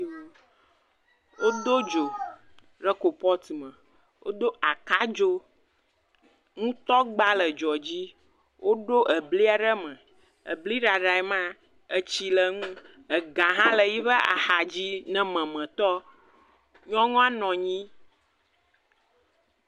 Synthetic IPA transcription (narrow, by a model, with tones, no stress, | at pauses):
o˦ | wo˦d̪o˦d͡ʒo˨ | ɖə˦ko˨pɔ˦t̪i˨mə̃˨ | wo̰˦d̪o˦a˨ka˦d͡ʒo˦ | ŋũ˦t̪ɔ˦ɡ͡ba˦lə˨d͡ʒɔ˨d͡ʑi˦ | wʔo˦ɖo˦ʔə˨bli˦a˨ɖə˦mə̃˨ | ə̰˨bli˦ɖa˨ɖa˨ɛ˨mã˦ | ə˨t͡ɕi˨lə˨ŋũ˦ | ə˨ɡã˨ɦã˦lə˨ji˦βə˦a̰˨ha˨d͡ʑi˦nɛ̃˨mɛ̃˨mə̃˨t̪ɔ˦ | ɲɔ̃˦ŋɔ̃˦a˦nɔ̃˨ɲĩ˦